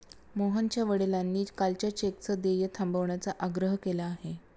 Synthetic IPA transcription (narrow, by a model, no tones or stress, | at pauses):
moɦənt͡ɕjaʋəɽelanːiːkalt͡ɕjat͡ɕek̚t͡səd̪ejət̪ʰambəʋɳjat͡saʔaɡɾəɦkelaːɦe